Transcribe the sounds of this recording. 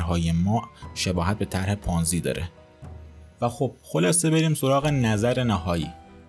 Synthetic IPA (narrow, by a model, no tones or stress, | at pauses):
ɾɦɒːjemɒːʔʃe̞bɒːhæt̪̚be̞t̪ʰæɾhe̞pʰɒːnziːd̪ɒ̰ːɾʔe | væxob̥̚xo̞lɒːse̞be̞ɾiːmso̞ɾɒːɣe̞næzæɾe̞næhɒːjḭː